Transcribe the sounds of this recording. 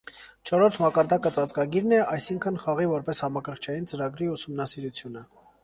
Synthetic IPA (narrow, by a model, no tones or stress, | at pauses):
t͡ʃʰɔɾɔɾt̪ʰmɑkɑɾd̪ɑkət͡sɑt͡sɡɑɡiɾnɛɑjsiŋkʰənχɑʁivɔɾpɛshɑmɑkʰəɾχt͡ʃʰɑjint͡səɾɑɡɾiusumnɑsiɾut͡sʰjunə